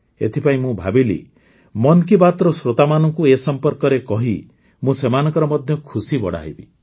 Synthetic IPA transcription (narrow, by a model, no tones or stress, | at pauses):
ḛt̪ʰipaĩmũbʱabilḭ | mɔnkibat̪ɾɔsɾot̪amanɔŋkuesɔmpɔɾkɔɾekɔɦi | mũsemanɔ̃ŋkɔɾɔmɔd̪ʱjɔkʰusibɔ̰ɽa̰ɦibḭ